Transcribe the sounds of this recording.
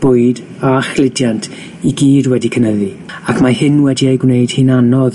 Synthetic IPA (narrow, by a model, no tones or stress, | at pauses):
b̥ʊɨd | aχlˠɪdjantʰ | iɡiːdwɛdikʰənəði | akʰmahɪnwɛdiejɡwnejd̥hinanɔð